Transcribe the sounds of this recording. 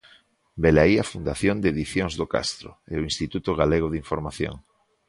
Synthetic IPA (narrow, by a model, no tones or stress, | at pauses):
belaiafund̪aθjõnd̪eðiθjoŋzðoka̰st̪ɾo̰eʊinst̪it̪ut̪oɣaleɣ̞oðiɱfoɾmaθjo̰ŋ